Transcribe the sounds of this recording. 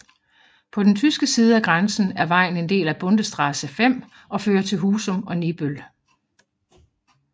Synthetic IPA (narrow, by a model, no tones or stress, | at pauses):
pʰɒ̽d̥ent͡sʰysɡ̥əsiːð̞ˠæɡ̥ʁɑnsn̩æɐʋɑ̈ɪ̰n̩e̝nd̥e̝̰ːlæb̥ɔ̽nd̥əsd̥ʁɑ̈səfem̰ | ɒ̽føːɐt͡sʰe̝lɦuːsɔ̽mɒ̽nib̥øl